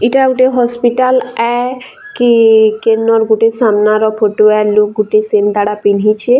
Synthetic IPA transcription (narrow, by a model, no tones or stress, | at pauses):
iʈauʈeɦɔspiʈalɛ | kikenːɔɾɡuʈesamnaɾɔpʰoʈoɛlok̚ɡuʈesend̪aɽapinɦit͡ʃʰe